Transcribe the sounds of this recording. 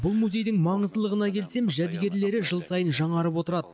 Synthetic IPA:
bʊlˠmuzʲe̞jd̪ɪŋmɑɴəzd̪əlˠəʁənɑkʲʰe̞lse̞mʒæd̪ɡʲe̞ɾle̞ɾɪʒəlˠsɑjənʒɑɴɑɾəpwo̞t̪əɾɑd̪ə

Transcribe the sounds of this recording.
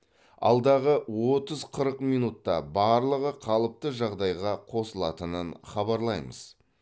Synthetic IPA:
ɑ̰lˠd̪ɑʁəwot̪əzqʰəɾəqmijnut̪ːɑ̰bɑɾlˠəʁəqʰɑlˠəp̚t̪əʒɑʁd̪ɑjʁɑqʰo̞səlˠɑ̰t̪ənənχɑbɑɾlˠɑjmə̰z̥

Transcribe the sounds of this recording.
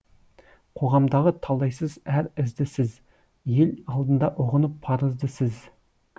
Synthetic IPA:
qʰoʁɑmd̪ɑʁət̪ʰɑlˠːɑjsɨzæɾɪzd̪ɪsɪz | jelʲɑlˠd̪ɨnd̪ɑʔoʁənɨpʰːɑɾəzd̪ɨsɪz

